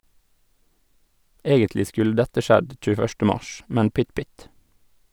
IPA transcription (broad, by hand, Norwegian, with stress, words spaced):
ˈeːɡəntlɪ ˈskʉl ˈdɛtə ˈʃɛd c͡çʉːəˈfœʃtə ˈmɑʃ ˈmɛn ˈpʏt ˈpʏt